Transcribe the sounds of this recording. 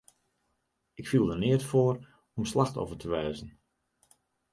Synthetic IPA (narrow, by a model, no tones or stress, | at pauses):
ɪkfilˠdənɪətfoːr | ɔmslaxto̰vətʰəʋɛːzən